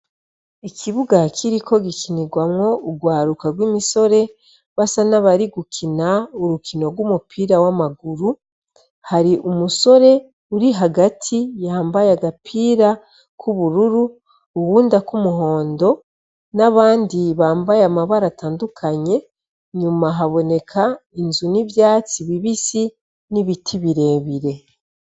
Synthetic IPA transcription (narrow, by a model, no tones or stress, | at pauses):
ikʰiβuɡakʰiɾikʰo̞ɡikiniɡwamŋo̞uɡwaːɾukaɡwiːmiso̞ɾe̞ | βasanaβaɾiɡukinauɾukino̞ɾɡwumupʰiːɾawamaɡuɾu | haɾiʔumuso̞ɾe̞ | uɾiɦaɡatʰijaːmbajaɡapʰiːɾa | kʰuβuɾuɾu | uwuːndakumuɦo̞ːndo̞ | naβaːndiβaːmbajamaβaɾataːndukʰaɲe̞ | ɲumaɦaβo̞ne̞kʰainzuniβjaːt͡siβiβisi | niβitʰiβiɾe̞ːβiɾe̞